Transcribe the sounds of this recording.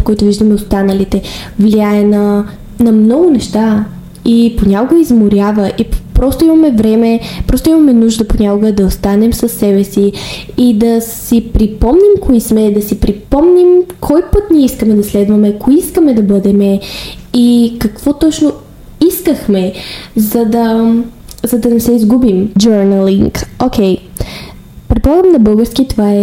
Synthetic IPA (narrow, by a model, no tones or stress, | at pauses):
pokɔjt̪ʊviʒd̪əmɛost̪anəlit̪ɛvliaɛnɐ | nɐmnɔɡʊnɛʃt̪a | iponʲakoɡoizmoɾʲjavəʔipɾɔst̪oimɐmɛvɾɛmɛpɾɔst̪oʊimɐmɛnuʒd̪əponʲakoɡəd̪ɐost̪anɛmsəsːɛbɛsi | id̪ɐssipɾipɔmnimkʰɔismɛd̪ɐsipɾipɔmnimkʰɔjpɤt̪niɛiskəmɛd̪ɐslɛd̪vɐmɛkoiiskəmɛd̪ɐbɤd̪ɛmɛ | ikɐkv̥ɔt̪ɔt͡ʃno | iskəxmɛzɐd̪ɐ | zɐd̪ɐnɛsɛizɡubimd͡ʒøɾnəliŋkok̟ʰɛj | pɾɛt̪̚polˠaɡəmnɐbɤlˠɡəɾskit̪ovaɛ